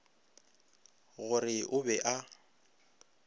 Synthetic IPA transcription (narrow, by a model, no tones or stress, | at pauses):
ɣʊrɪʔʊbɛʔa